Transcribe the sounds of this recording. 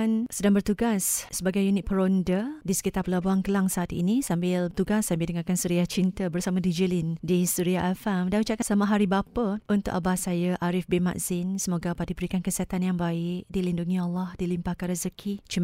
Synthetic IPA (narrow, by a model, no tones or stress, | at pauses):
nsədaŋbərt̪uɡasːəbaɡajunɪt̪̚pəɾondədisə̥kit̪arpəlabuankəlaŋsaːt̪ḭnisambɪlt̪uɡasːambɪldəŋakansuɾiaht͡ʃint̪əbərsamãdid͡ʒəlɪndisuɾiaʔafamdanut͡ʃaʔkasamaɦaɾibapəʔunt̪ʊ̰k̚ʔabahsajəʔaɾɪfbima̰ʔzɪnsəmoɡapadibəɾikankəsiɦat̪anjaŋbaɪk̚dilinduŋĩalːahdilimpahkanɾəzəkʰit͡ʃim